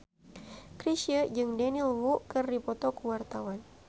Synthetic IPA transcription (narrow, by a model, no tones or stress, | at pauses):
kɾiʃiəd͡ʒɨŋdɛnilwukɨrdipɔt̪ɔkuwart̪awan